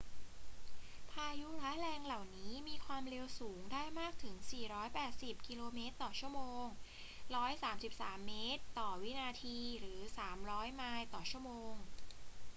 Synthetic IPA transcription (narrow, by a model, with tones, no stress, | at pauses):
pʰaː˧ju˦˥ɾa˦˥ɾɛː˧ŋla˨˩wniː˦˥miː˧kʰwaː˧mɾe˧wsuː˩˦ŋdaː˥˩jmaː˥˩k̚t̪ʰɯ˩˦ŋsiː˨˩ɾɔː˦˥jpɛː˨˩t̪̚si˨˩p̚ki˧loː˧meː˦˥t̪ːɔː˨˩t͡ɕʰu˥˩əmoː˧ŋ | ɾɔː˦˥jsaː˩˦msi˨˩p̚saː˩˦mːeː˦˥t̪ːɔː˨˩wi˦˥naː˧t̪ʰiː˧ɾɯː˩˦saː˩˦mɾɔː˦˥jmaː˧jt̪ɔː˨˩t͡ɕʰu˥˩əmoː˧ŋ